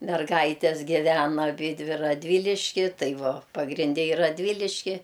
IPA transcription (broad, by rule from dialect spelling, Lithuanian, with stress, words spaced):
mʲɛrˈɡɐɪtʲɛs ɡʲɪˈʋʲæːnɐ ɐˈbʲiːdʲʋʲɪ rɐdʲˈʋʲiːlʲɪʃʲkʲɪ ˈtɐɪ ˈʋoː pɐɡrʲɪnʲˈdʲɛ ɪ rɐdʲˈʋʲiːlʲɪʃʲkʲɪ